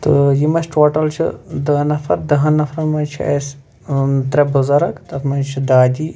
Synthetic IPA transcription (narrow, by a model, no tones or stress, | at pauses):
t̪ɨjimɐt͡ʃʰʈoːʈɐlt͡ʃʰḭd̪ɐnɐfɐɾd̪ɐɦɐnɐfɾɐnmɐnt͡ʃʰḭḛs | t̪ɾɐbuzɐɾɐkt̪ɐt̪mɐnt͡ʃʰid̪aːd̪ʲiː